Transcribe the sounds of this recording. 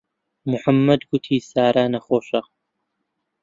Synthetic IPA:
mʊħamːɐd̪ɡʊt̪ʰiːsaːɾanɐχoːʃɐq

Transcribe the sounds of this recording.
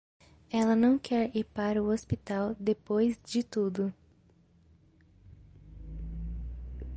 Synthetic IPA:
ɛlɐnɐ̃w̃kʰɛɾiɾpaɾɐʊospit̪awd̪epojzd͡ʒɪt̪ud̪ʊ

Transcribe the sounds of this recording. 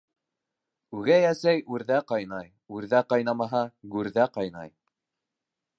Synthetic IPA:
ʉɡæjæsæjʔʉɾðæqɑjnɑj | ʉɾðæqɑjnɑmɑɦɑɡʉɾðæqɑjnɑ̰j

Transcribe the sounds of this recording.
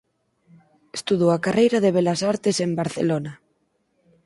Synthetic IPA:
est̪uðoakarejɾaðeβelasaɾt̪esembaɾθḛlona

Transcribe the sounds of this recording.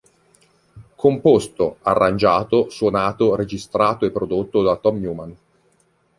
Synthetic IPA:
kʰompost̪oarːand͡ʒaːt̪osuonaːt̪ored͡ʒist̪ɾaːt̪oepːɾod̪ot̪ːod̪at̪ɔmjuːman

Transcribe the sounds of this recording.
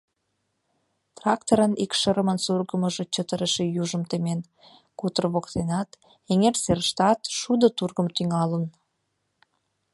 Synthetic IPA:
t̪rɑk̚t̪oɾənikʃəɾəmənsurɣəməʒot͡ɕət̪əɾəʃejuʒəmt̪emen | kut̪ərβokt̪enɑt̪ | eŋerserʃt̪ɑt̪ʃud̪ot̪urɣəmt̪yŋɑlən

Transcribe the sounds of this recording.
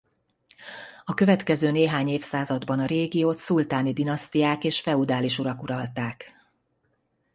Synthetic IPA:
ɒkø̞vɛt̪kɛzøːneːɦaːɲeːfsaːzɒd̪bɒnɒɾeːɡijoːt̪sult̪aːnid̪inɒst̪ijaːkeːʃfɛud̪aːliʃuɾɒkuɾɒlt̪aːk

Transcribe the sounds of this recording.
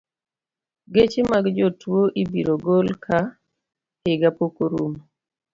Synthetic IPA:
ɡet͡ʃɪmaɡd͡ʒɔtwoʔibiɾoɡolkʰa | hɪɡapokoɾṵm

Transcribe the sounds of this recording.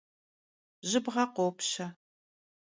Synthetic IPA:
ʒɪbʁɐqʷoːpɕɐ

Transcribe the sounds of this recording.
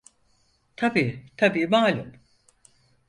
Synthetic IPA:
t̪ʰabiːt̪ʰabiːmaːlʲum

